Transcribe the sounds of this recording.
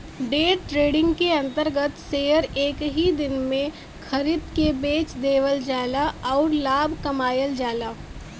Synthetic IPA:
ɖeːtʈɾeːɖɪ̃ŋɡkeɐ̃nt̪əɾɡət̪seːjəɾeːkɦid̪ɪnmẽ | kʰɐɾɪt̪kebeːt͡ʃd̪eːʋəld͡ʒaːlaɔːɾlaːbkɐmaːjəld͡ʒaːlaː

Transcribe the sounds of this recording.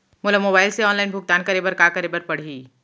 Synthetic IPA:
moːlamoːbaːɪlseɔːnlaːɪnbʱʊɡ̚t̪aːnkɐɾeːbəɾkakɐɾeːbəɾpɐɽ̤iː

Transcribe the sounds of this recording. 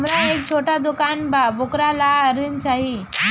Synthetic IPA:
mɾaek̚t͡ɕʰoʈad̪ukanbabukɾalaəɾiːnt͡ɕaɦi

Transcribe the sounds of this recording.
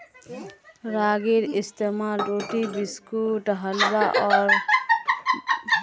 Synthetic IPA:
ɾaɡiɾist̪emalɾoʈibiskuʈɦalbaʔɔɾ

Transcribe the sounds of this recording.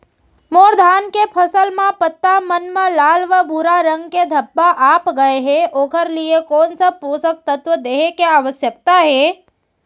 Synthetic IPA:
moːɾd̪ʱaːnkepʰəsəlmãpət̪ːamənmãlaːlʋəbʱuːɾaɾə̃ŋɡked̪ʱɐbːaʔaːpɡɐeɦɛʔoːkəɾliekɔːnsəpuːsək̚t̪ət̪ʋəd̪eːɦekeaʋəsjək̚t̪aɦɛː

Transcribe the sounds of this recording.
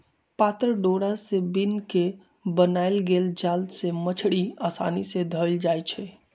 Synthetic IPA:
pat̪ɾəɖoɽasebinke | bənajlɡeld͡ʒald̪semət͡ʃʰɽiasa̰nised̪ʱəld͡ʒajt͡ʃʰɛ

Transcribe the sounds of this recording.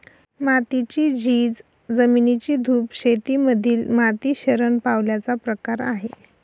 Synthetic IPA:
mat̪it͡ɕiːd͡ʑiːd͡z | d͡zəminit͡ɕiːd̪ʱuːpɕet̪iːməd̪ʱiːlmat̪iːɕəɾəɳpaʋljat͡sapɾəkaɾa̰ɦe

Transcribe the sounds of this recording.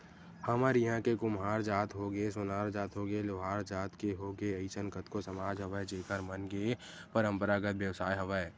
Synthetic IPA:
həməɾjɦãkekʊmɦaːɾd͡ʒaːt̪ɦoɡesʊnaːɾd͡ʒaːt̪ɦoɡeloːɦaːɾd͡ʒaːt̪keɦoːɡeəɪt͡ʃənkət̪kosəmaːd͡ʒɦəʋəed͡ʒeːkəɾmənɡe | pəɾə̃mpəɾaɡət̪ʋjəʋsaːjɦɐʋəe

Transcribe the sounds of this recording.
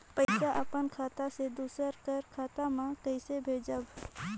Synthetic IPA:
pəɪsaʔəpənkʰaːt̪ased̪uːsəɾkəɾkʰaːt̪amãkəɪsebʱeːd͡ʒəb

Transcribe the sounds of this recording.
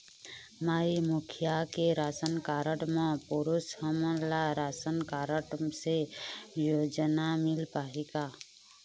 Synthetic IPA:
maːimukʰijakeɾaːsənkaːɾəʈmə̃puɾushəməlaɾaːsənkaːɾəʈsejoːd͡ʒnamɪlpaːɦeɡa

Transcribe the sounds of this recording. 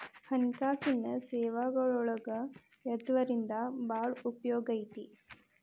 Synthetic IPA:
hɐnkaːsinɐsɛːʋaɡɐɭɔɭɐɡɐ | ɛd̪ʋɐɾind̪ɐbaːɭupjoːɡɐjt̪i

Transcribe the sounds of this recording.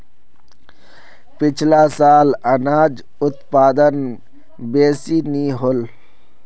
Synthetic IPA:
pɪt͡ʃʰlasaːlɐnaːd͡ʒ | ʊt̪paːd̪ən | beːsiniɦol

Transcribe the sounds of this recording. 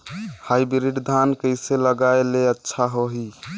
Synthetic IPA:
hajbiɾiɖd̪ʱankəjseləɡaeleətːʃʰaɦoɦi

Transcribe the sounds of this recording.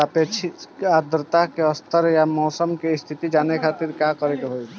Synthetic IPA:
apet͡ʃʰiad̪ɾət̪akeəst̪ʰəɾjamɔːsəmkest̪ʰit̪id͡ʒaːnekʰat̪iɾkakəɾekeɦoj

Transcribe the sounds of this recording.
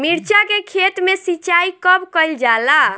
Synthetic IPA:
miɾt͡ʃakekʰet̪mesit͡ʃaikəbkəɪld͡ʒala

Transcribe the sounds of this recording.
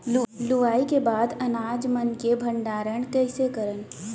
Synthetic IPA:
llʊʋaːikebaːd̪ɐnaːd͡ʒmənkebʱə̃ɳɖaːɾəɽ̃kəɪsekəɾən

